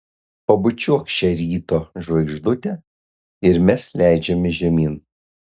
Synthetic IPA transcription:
pɐbʊt͡ʃʲuɔkʃʲt͡ʃʲɛɾʲiːt̪oːʒʋɐɪɡʒd̪ʊt̪ʲɛ | ɪɾmʲɛslʲæˑɪd͡ʒʲɛmʲɪʒʲɛmʲiːn

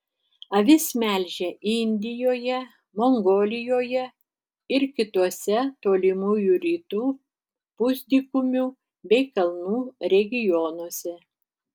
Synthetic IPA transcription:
ɐʋʲɪsmʲɛˑlʲʒʲɛʔɪnʲd̪ʲɪjoːjɛ | moŋɡoːlʲɪjoːjɛ | ɪɾkʲɪt̪uɔsʲɛt̪oːlʲɪmuːjuɾʲiːt̪uː | pʊzʲd̪ʲiːkʊmʲu | bʲɛɪkɐlˠnuːɾʲɛɡʲɪjɔːnuɔsʲɛ

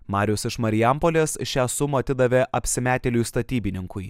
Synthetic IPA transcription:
mɑːɾʲɪʊsɪʃmɐɾʲɪjɛmpoːlʲeːsʃʲæːsʊmuɐt̪ʲɪd̪ɐʋʲeʔɐpʲsʲɪmʲæːt̪ʲelʲujst̪ɐt̪ʲiːbʲɪnʲɪŋkʊɪ

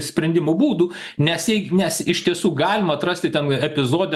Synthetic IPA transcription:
sʲpʲɾʲɛnʲd̪ʲɪmʊbuːd̪uː | nʲɛsjɛɪnʲɛsɪʃt̪ʲiɛsuːɡɑːlʲɪmɐːt̪ɾɐsʲt̪ʲɪt̪ʲɛnɛpʲɪzoːd̪ʲɛ

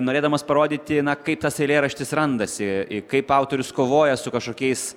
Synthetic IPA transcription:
noːɾeːd̪ɐmoːspɐɾoːd̪ʲiːt̪ʲɪnɐkɐɪpt̪ɐsɛɪlʲeːɾɐʃʲt̪ʲɪsɾɐnd̪ɐsʲɪɪkɐɪpɐʊt̪oːɾʲʊskoːʋoːjɛsʊkɐʃkoːkʲɛɪs

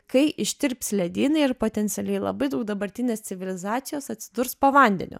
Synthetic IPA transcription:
kɐɪʔɪʃʲt̪ʲɪɾʲpʲslʲɛd̪ʲiːnɐɪɪɾpoːt̪ʲɛnʲt̪ʲɛlʲɛɪlˠɐ̰bɐɪd̪ɐʊk̚d̪ɐbɐɾʲt̪ʲɪnʲeːst̪ʲɪʋʲɪlʲɪzɑːt̪sʲɪjoːsɐt̪ʲsʲɪd̪ʊɾspoːʋɐˑnʲd̪ʲɛ̰nʲʊ̰

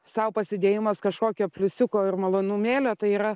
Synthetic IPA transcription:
sɐʊpɐsʲɪd̪ʲeːjɪmɐskɐʃkoːkʲoːpʲlʲʊsʲʊkoːɪrmɐlˠoːnuːmʲeːlʲoːt̪ɐɪiːɾɐ

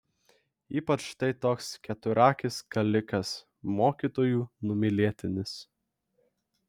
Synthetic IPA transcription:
iːpɐt͡ʃt̪ɐɪt̪oːkskʲɛt̪ʊɾɑːkʲɪskɐlʲɪkɐs | moːkʲiːt̪oːjuːnʊmʲɪlʲiɛt̪ʲɪnʲɪs

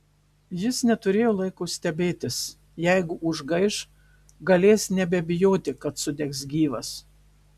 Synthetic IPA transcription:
jɪsnʲɛt̪ʊɾʲeːjoːlˠɐɪkosʲt̪ʲɛbʲeːt̪ʲɪs | jɛɪɡʊʔʊʒɡɐɪʃ | ɡɐlʲeːsnʲɛbʲɛbʲɪjoːt̪ʲɪkɐt̪sʊd̪ʲɛksɡʲiːʋɐs

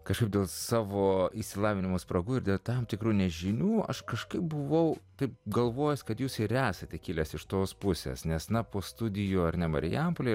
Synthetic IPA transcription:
kɐʃkɐɪb̚dʲeːlˠsɑːʋoːiʃsʲɪlˠɑːʋʲɪnʲɪmoːspɾɐɡuːɪɾd̪ʲeːlˠt̪ɐmt̪ʲɪkɾuːnʲɛʒʲɪnʲuːɐ̰ʃkɐʃkɐɪp̚bʊʋɐʊt̪ɐɪpɡɐlˠʋoːjɛsʲkɐt̪juːsɪɾæːsɐt̪ʲɛkʲɪlʲɛsɪʃt̪oːspʊsʲḛːsnʲɛsnɐpoːst̪ʊd̪ʲɪjoːɐrnʲɛmɐ̰ɾʲɪ̰jɛmpoːlʲe

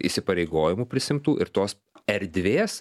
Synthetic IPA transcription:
ḭsʲɪpɐɾʲɛɪɡoːjɪmuːpʲɾʲɪsʲɪmt̪uːʔɪɾt̪oːs | ɛɾʲd̪ʲʋʲeːs

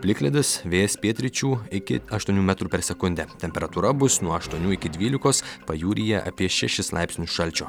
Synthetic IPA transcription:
pʲlʲɪkʲlʲɪd̪ʲɪsʋʲeːjɛspʲiɛt̪ʲɾʲɪt͡ʃʲuːɪkʲɪ̰ɐʃt̪uɔnʲuːmʲæt̪ɾuːpʲɛɾsʲɛkʊnʲd̪ʲɛt̪ʲɛmʲpʲɛɾɐt̪uːɾɐbʊsnuɔɐʃt̪uɔnʲuːɪkʲɪd̪ʲʋʲiːlʲɪkoːspɐjuːɾʲiːjɛʔɐ̰pʲiɛʃʲɛʃʲɪslˠɑɪpʲsʲnʲʊsʃɐlʲt͡ʃʲoː

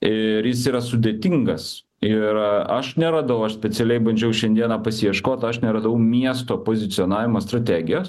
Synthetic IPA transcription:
ɪɾjɪsiːɾɐsʊd̪ʲeːt̪ʲiŋɡɐs | ɪɾɐʃnʲɛɾɑːd̪ɐʋɐʊɐʃsʲpʲɛt͡s̪ʲɛlʲɛɪbɐnʲd͡ʒʲɛʊʃʲɛnd̪ʲiɛnɑpɐsʲɪjɛʃkoːt̪ɐʃnʲɛɾɐd̪ɐʋɐʊmʲiɛst̪oːpoːzʲɪt̪sʲɪoːnɑːʋʲɪmɐːst̪ɾɐt̪ʲæːɡʲɪjoːs

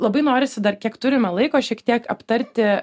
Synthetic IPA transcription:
lˠɐbɐɪnoːɾʲɪsʲɪd̪ɐrkʲiɛkt̪ʊɾʲɪmɛlˠɐɪkoːʃʲiɛkt̪ʲiɛkɐpt̪ɐɾʲt̪ʲɪ

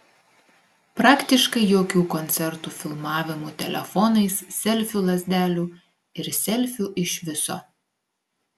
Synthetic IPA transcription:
pɾɑːkt̪ʲɪʃkɐɪjoːkʲuːkɔnʲt̪sʲɛɾt̪uːfʲɪlˠmɑːʋʲɪmuːt̪ʲɛlʲɛ̰fɔnɐɪssʲɛlʲfʲʊlˠɐzʲd̪ʲæːlʲuː | ɪɾsʲɛlʲfʲʊʔɪʃʋʲɪso̰ː

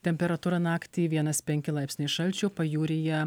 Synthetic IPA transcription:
t̪ʲɛmʲpʲɛɾɐt̪uːɾɐnɑːkt̪ʲiːʋʲiɛnɐspʲɛŋʲkʲɪlˠɑˑɪpʲsʲnʲɪʃɐlʲt͡ʃʲʊːpɐjuːɾʲɪjɛ

